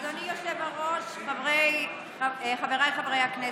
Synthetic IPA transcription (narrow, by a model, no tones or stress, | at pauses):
d̪onijoʃevaʁoʃχavʁej | aχaveʁajχavʁejhakne